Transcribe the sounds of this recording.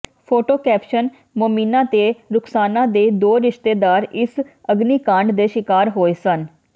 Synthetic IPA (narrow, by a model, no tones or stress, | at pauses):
pʰoːʈoːkɛːpʃən | moːmiːnãːt̪eːɾʊksaːnãːd̪eːd̪oːɾɪʃt̪eːd̪aːɾɪs | əɡniːkãːɳɖd̪eːʃɪkaːɾɦoːeːsən